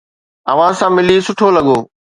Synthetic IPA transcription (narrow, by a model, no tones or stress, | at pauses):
ɐ̰ʋ̤ãsãːmɪlisʊʈʰolɐɡoː